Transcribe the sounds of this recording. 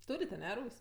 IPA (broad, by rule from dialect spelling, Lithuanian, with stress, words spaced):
ˈtuːrʲɪtʲ ɐˈnʲɛ ˈruːsʲ